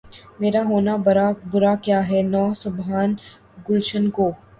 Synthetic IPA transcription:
meːɾaɦoːnabɐɾabʊɾakjaːɦɛnɔːsʊbɦaːn | ɡʊlʃənkoː

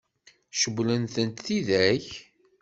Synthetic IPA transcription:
ʃəwlənθənt̪θiðæç

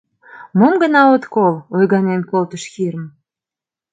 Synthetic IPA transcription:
momɡə̆nɑot̪kolojɣɑnenkolt̪əʃxiɾəm

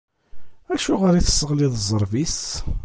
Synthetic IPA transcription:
æʃuʁəɾiθə̥sːəʁliðˤəzˤːəɾˤvis

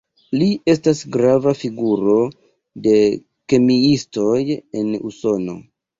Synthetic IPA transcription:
lie̞s̬tasɡɾavafiɡuɾo̞ | de̞ | ke̞miisto̞je̞nṵso̞no̞̰

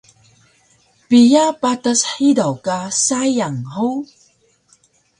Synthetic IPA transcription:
pijapatasħidawkasajaŋhow

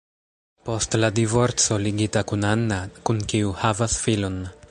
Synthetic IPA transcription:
po̞stladivo̞ɾt͡so̞liɡitakunanːakunkiuhavasfilo̞n

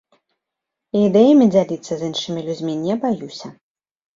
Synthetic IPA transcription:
iːd̪ɛjɐmʲid͡zʲalʲit̪sːɐzɨnʂɨmʲilʲud͡zʲmʲinʲɛbajusʲɐ

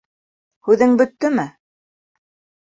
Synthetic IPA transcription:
hʉðɘŋbɵ̆t̪ːɵmɘ

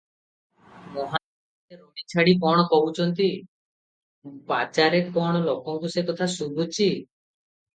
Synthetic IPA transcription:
mɔɦa | eɾoɽit͡ʃʰaɽikɔɽ̃ɔkɔut͡ʃʰɔnt̪i | pat͡ʃaɾekɔɽ̃ɔlokɔŋkusekɔt̪ʰasud̪ʱut͡ʃʰi

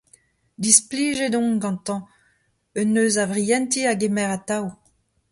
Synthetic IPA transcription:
d̪ispliːʒed̪ɔ̃ŋɡɑ̃nt̪ɑ̃ | œnːøːzavʁijɛ̃nt̪iaɡemɛʁat̪aw

